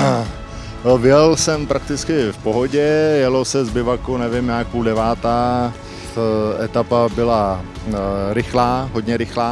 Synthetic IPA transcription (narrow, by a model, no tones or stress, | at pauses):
vɪjɛlsɛmpɾakt̪ɪt͡skɪfpoɦoɟɛjɛlosɛzbɪvakonɛvɪmɲaːkudɛvaːt̪aː | ʔɛt̪apabɪla | ɾɪxlaːɦodɲɛɾɪxlaː